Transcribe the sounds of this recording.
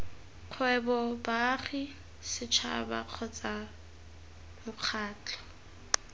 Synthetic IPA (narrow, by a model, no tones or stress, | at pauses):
q͡χʰwɛbɔbaχi | sɪt͡ʃʰa̰ba̰q͡χʰɔt͡sʼa | mʊq͡χʰaːt͡ɬʰʼɔ̥